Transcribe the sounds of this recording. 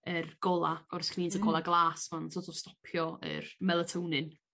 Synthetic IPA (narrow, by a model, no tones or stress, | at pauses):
ərɡ̥ɔlˠaɔrskʰniːntʰəɡɔlˠaɡlˠaːsmansʰɔtʰɔstɔ̥pʰjɔə̰rmɛlˠətʰownɨn